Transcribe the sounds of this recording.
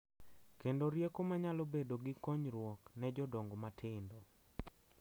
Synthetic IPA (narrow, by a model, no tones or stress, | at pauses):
kendoɾjekomaɲalobedoɡɪkoɲɾwɔknɛd͡ʒɔdɔŋɡomatʰɪndo